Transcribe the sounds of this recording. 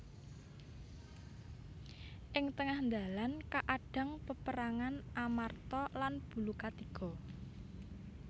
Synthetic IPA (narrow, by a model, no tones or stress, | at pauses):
ʔɪŋt̪əŋahnd̪a̤lankaʔaɖ̥a̤ŋpəpəɾaŋanamart̪ɔlanb̥ṳlukat̪iɡ̥ɔ̤